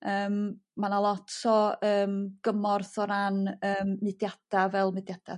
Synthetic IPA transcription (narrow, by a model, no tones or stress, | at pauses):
əːmmanalˠɔtʰɔəːmɡ̥əmɔrθɔɾanəːmmɨdjad̥avɛlˠmɨdjad̥a̰